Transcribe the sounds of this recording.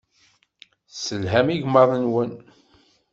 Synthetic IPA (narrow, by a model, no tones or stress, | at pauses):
səlɦæmiʝməðˤənwən